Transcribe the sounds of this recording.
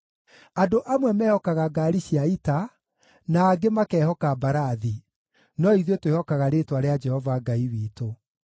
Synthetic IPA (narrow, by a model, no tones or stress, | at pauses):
adoʔamwɛmɛːhɔkaɣaɡaːɾiɕiaita | naːɡemakɛhɔkabaɾaði | nɔiðiotwehɔkaɣaɾetwaɾead͡ʒɛhɔvaɡaiwiːto